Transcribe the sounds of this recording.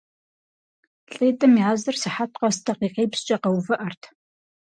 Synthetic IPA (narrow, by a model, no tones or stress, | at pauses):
ɬʼeːtʼɐmjaːzɨrsɨħatʰqɐstʰɐqiːqeːpst͡ʃʼɐqɐwvɐʔɐrtʰ